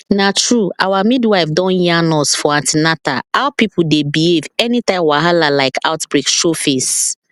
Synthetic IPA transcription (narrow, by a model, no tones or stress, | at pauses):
natɹuawamidwaɪfdɔ̃njanɔsfɔãtɪnataaʊpipʊdebievɛnitãɪ̃mwaɦalalaɪkʰaʊtbɹekʃofes